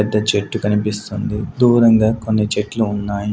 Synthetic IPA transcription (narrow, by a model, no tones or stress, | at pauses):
ɛd̪ːɐt͡ʃeʈːukɐnipist̪und̪id̪uːɾɐŋɡaːko̞nːit͡ʃeʈluːnːaːji